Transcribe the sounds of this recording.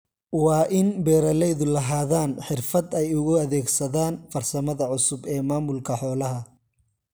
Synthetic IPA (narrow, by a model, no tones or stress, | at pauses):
wɑːʔɪnbɛːɾɐlɛjðʊlɐɦaːðaːnħɪrfɐd̪ɛjʊɣʊɐðɛːɡsɐðaːnfɐrsɐmɐðɐʕʊsʊbɛːmaːmʊlkʰɐħɔːlɐɦɐ